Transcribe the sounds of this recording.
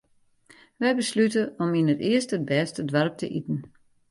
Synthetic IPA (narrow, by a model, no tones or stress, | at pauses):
ʋɛjbəslytəɔminətɪəstəd̚bɛːstədʋarp̚tə̰ʔitn̩